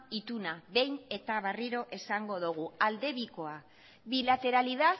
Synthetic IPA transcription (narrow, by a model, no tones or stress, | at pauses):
it̪unaβe̞jne̞t̪aβariɾo̞ʔe̞saŋɡo̞ðuɣ̞uald̪e̞βiko̞a | βilat̪e̞ɾaliða